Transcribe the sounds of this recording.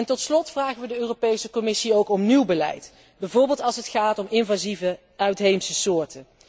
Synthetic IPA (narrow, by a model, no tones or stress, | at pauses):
ɛntɔtslɔtfraːχəʋədəøːropejsəkɔmɪsiowkɔmniwbəlɛ̰jt | bɛjvʊːɹbɪːlˠtɑlˠsətχaːtɔmɪnvazivə | œɥtɦejmsəsʊːɹtən